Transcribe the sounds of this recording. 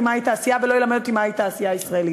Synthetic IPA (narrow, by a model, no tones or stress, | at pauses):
imait̪aːsijavelojelamed̪ot̪imait̪aːsijaisʁaeli